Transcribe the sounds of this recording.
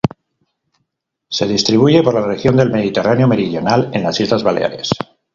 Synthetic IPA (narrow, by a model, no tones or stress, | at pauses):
se̞ð̞ist̪ɾiβ̞uʝe̞poɾlarexjo̞nd̪e̞lme̞ðit̪e̞rʔanjo̞me̞ɾiðjo̞nale̞nlasizlazβalḛa̰ɾe̞̰s